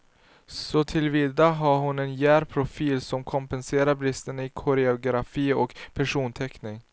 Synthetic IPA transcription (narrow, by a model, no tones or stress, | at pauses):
sɔt̪ʰɪlviːd̪aɦaɾɦʊnɛnjæːɾpʰɾʊfiːlsɔmkʰɔmpɛnseːɾaɾbɾɪst̪ənɪkʰʊɾɛʊɡɾafiːɔkpʰæʂuːnt̪ʰɛknɪŋ